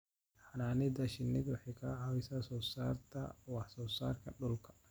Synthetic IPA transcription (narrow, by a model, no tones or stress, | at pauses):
ħanaːnɪd̪ɐʃɪnːɪd̪wɪħikʰaʕawɪsɐsɔːsaːɾt̪ɐ̰wɑħsɔːsa̰ːɾkɐɗʊlkʰɐ̥